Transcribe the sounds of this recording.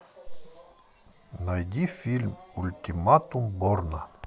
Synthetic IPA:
najd̪ʲifʲilʲmulʲtʲimat̪umborna

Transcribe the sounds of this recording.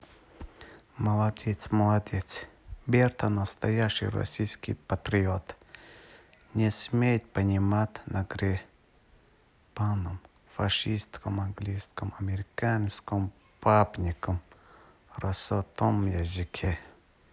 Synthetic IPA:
məlˠadʲet̪sʲməlˠadʲet̪sbʲert̪ʰənɐst̪ɐjaʃɪ̰jrɐ̰sʲijskʲɪ̰jpɐt̪ɾʲɪot̪ | nʲesmʲejɪt̪̚pənʲɪmatʲnaɡɾʲe | banəm | faʂist̪kəmanɡlʲijskəmɐmʲɪɾʲɪkanʲskəm | pabnʲɪkəm | rosot̪omjəzʲɪkʲʰe

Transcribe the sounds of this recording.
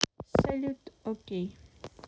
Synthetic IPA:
salutoke

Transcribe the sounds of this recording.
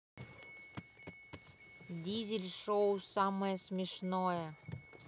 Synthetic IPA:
d̪ʲizʲɪlʲʂowsaməjəsmʲɪʂnojə

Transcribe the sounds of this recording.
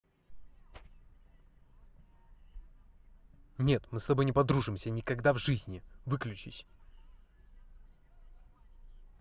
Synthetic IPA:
nʲe̞t̪mɨst̪ɐbo̞jnʲɪpɐd̪ɾuʐɨmsʲənʲɪkɐɡd̪avʐɨzʲnʲɪvɨklʲʉt͡ɕɪsʲ

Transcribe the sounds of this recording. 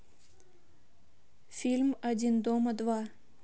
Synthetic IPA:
fʲilmɐdʲind̪oməd̪ʋa

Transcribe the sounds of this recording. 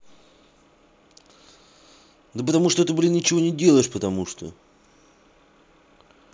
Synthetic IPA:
d̪əpət̪ɐmuʂt̪ot̪ɨblʲinʲnʲɪt͡ɕɪvo̞nʲɪdʲelˠəjɪʂpət̪ɐmuʂt̪o̰

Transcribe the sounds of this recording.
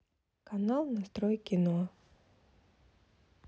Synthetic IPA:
kɐnalˠnɐst̪ɾojkʲɪno

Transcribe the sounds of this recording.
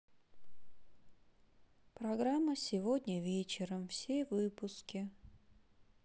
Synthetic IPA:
pɾɐɡɾamːəsʲɪvod̪ʲnʲəvʲet͡ɕɪɾəmfsʲevɨpʊskʲɪ

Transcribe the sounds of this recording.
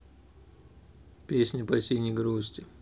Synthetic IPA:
pʲesʲnʲipɐsʲinʲiɡɾusʲtʲɪ

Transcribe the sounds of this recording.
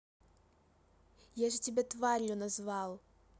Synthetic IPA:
jaʐɨtʲɪbʲet̪vaɾʲjʲʊnɐzvalˠ

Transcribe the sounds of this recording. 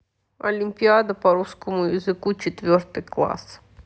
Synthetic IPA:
ɐ̰lʲɪmʲpʲɪad̪əpɐɾuskəmʊjɪzɨkut͡ɕɪt̪vʲort̪ɨjklˠa̰s

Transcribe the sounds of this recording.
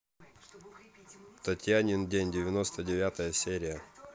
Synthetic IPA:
t̪ɐtʲjanʲɪndʲenʲdʲɪvʲɪnost̪ədʲɪvʲat̪əjəsʲeɾʲɪjə

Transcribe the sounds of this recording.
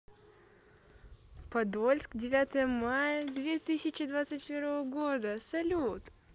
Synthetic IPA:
pɐd̪olʲskdʲɪvʲat̪əjəmajəd̪vʲet̪ɨsʲɪt͡ɕɪd̪vat̪sɨtʲpʲe̞ɾvəvəɡo̞d̪əsɐlʲut̪

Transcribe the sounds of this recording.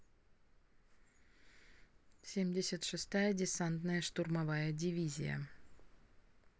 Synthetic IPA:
sʲemʲdʲɪsʲət̪ʂɨst̪ajədʲɪsant̪nəjəʂt̪ʊrmɐvajədʲɪvʲizʲɪ̰jə̰

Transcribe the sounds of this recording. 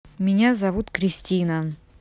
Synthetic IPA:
mʲɪnʲazɐvut̪kɾʲɪsʲtʲinə

